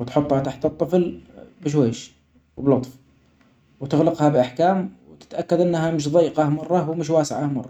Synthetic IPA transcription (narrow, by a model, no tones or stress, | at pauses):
wt̪ħʊt̪ˤːhat̪aħt̪ɨt̪ˤːɨflbɪʃ̬weːʃ | wblʊt̪ˤf | wt̪ɪɣlɪqhabɪʔaħkaːmwt̪ɪ̥t̪ʔakːad̪ʔɪnːɦamɪʃ̬ðˤɑjːqɑhmɑrˤːɑwmɪʃ̬waːsɪʕamɑ̰rˤːɑ